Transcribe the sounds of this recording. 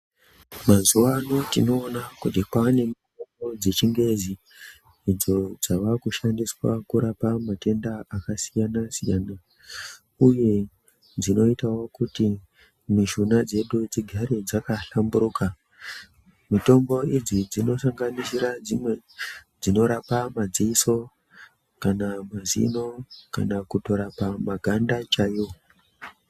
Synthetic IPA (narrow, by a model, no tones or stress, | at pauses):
mazuwanotino̞ːnakudikane̞mitombo̞d͡ze̞t͡ʃiŋɡe̞ziː | d͡zo̞d͡zaʋakuʃandiswakuɾapamate̞ndaakasijanasijana | uje̞ | d͡zino̞itawo̞kuti | miʒunad͡ze̞ɗud͡ziɡʱaɾed͡zakaɬambuɾuka | mito̞mbo̞id͡zid͡zino̞saŋɡanisiɾad͡zimwe̞d͡zino̞ɾapamad͡ziiso̞ | kanamazḭno̞ka̰nakuto̞ɾapamaɡʱandat͡ʃaːjo̞